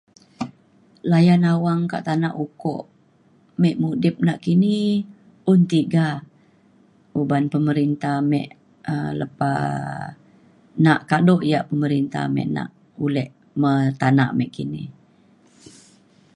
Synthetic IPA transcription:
lajanawaŋka̰ʔt̪anaʔukɔ̰ʔ | mɛʔmudɪp̚naʔkini | unt̪iɡa | ubanpəməɾint̪ahmɛ̰ʔ | ələpa̰ | naʔkadɔʔjaʔpəməɾint̪a̰hmɛ̰ʔna̰ʔ | ulɛʔ | mət̪ana̰ʔmɛʔkinḭ

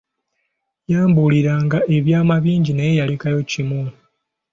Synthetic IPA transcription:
jaːmbuliɾaːŋɡaʔe̞βjaːmaβiːɲɟinejejalikajo̞cimu

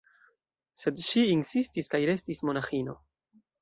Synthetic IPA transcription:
se̞dʃiinsistiskajɾe̞stismo̞naxino̞

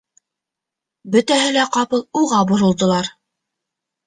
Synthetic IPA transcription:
bɵ̆t̪æɦɘlæqɑpɤlˠuʁɑbŏɾŏlˠd̪ŏlˠɑɾ

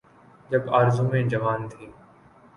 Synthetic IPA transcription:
d͡ʒɐbaːɾzũmẽd͡ʒɐʋaːnt̪ʰiː

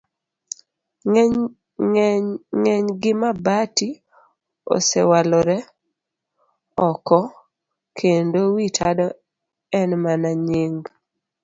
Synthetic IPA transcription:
ŋŋɛɲɡɪmabati | o̰sɛwalɔɾɛ | ɔkɔ | kʰendowitʰadɔ | ɛnmanaɲiŋɡ

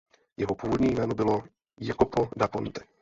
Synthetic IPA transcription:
jɛɦopuːvodɲiːjmɛːnobɪlo | jakopodapont̪ɛ̥

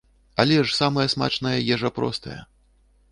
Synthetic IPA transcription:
alʲɛʂsamɐjɐsma̰t͡ʂnɐjɐjɛʐɛpɾɔ̰st̪ɐ̰jɛ̰

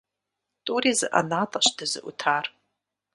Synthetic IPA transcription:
tʼuɾizɨ̰ʔa̰natʼaʃdɨzɨ̰ʔṵtʰar

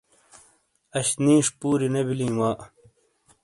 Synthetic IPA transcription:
ɐɕnĩːʂpuːɾinɐbilĩːwaːʔ

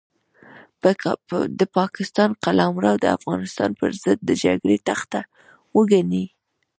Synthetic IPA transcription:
d̪əpɑkɪst̪ɑnqalɑmɾawd̪əa̰fɣɑnɪst̪ɑ̰npə̰ɾzəd̪̚ːəd͡ʒa̰ɡɽet̪axt̪a | wəɡani

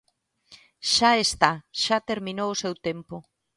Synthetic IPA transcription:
ʃaest̪aʃat̪eɾminowʊsewt̪empo

